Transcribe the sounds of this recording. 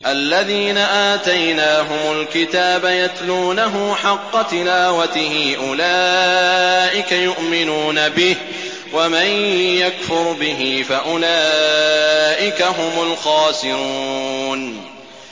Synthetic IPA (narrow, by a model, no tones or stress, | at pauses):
ʔalːaðiːnaʔaːt̪ajnaːɦʊmʊlkɪt̪aːbajat̪luːnaɦʊmħɑqːɑt̪ɪlaːwat̪ɪhiːʔʊlaː | ʔɪkajʊʔmɪnuːnabɪh | wamanjakfʊɾbɪɦɪfaʔʊlaː | ʔɪkaɦʊmʊlxɑːsɪɾun